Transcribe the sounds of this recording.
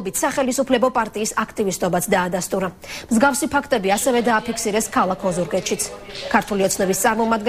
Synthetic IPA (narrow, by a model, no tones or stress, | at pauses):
bit̪ʰsaχɛlisupʰlɛbɔpʼaɾt̪ʼiːsakʰt̪ʼivist̪ʼɔbat̪sʰd̪aːd̪ast̪ʼuɾa | mzɡafsipʰakʰt̪ʼɛbiasɛvɛd̪aːpʰikʰsiɾɛskʰalˠakʰɔzuɾɡʼɛt̪ʃit̪sʰkʰaɾt̪ʰuliɔt̪sʰnɛbist̪sʼaɾmɔmad̪ɡɛ